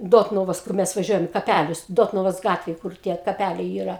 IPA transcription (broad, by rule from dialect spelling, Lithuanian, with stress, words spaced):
ˈdoːtnʊʋoːs kʊr ˈmʲɛs ʋɐˈʒʲuɔjɛm ɪ kɐˈpʲælʲʊs ˈdoːtnʊʋoːs ˈɡɑːtʲʋʲɛj kʊr ˈtʲiɛ kɐˈpʲælʲɛɪ iːˈrɐ